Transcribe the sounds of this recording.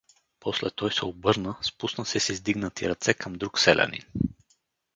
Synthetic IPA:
pʰɔslɛt̪ɔjsɛobɤɾnəspusnəsɛsizd̪iɡnət̪iɾɐt̪sɛkʰəmd̪ɾuksɛlʲɛ̰nḭn

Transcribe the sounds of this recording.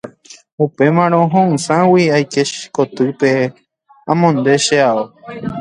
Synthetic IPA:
upe̞mãɾ̃õɦõɨ̃sãwiajkeʃkot̪ɨpe | ãmõnd̪e̞ʃeao

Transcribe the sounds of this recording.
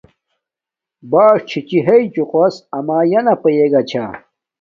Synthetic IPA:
baːʂt͡ɕʰit͡ɕiɦɐit͡ɕuqɐsɐmaːjɐnɐpɐjeɡɐt͡ɕʰa̰ː

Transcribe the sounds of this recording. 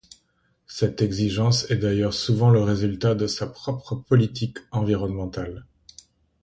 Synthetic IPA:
sɛt̪ɛɡziʒɑ̃sɛd̪ajœʁsuvɑ̃ləʁezylt̪ad̪əsapχɔpχəpɔlit̪ʰikɑ̃viʁɔnmɑ̃t̪al

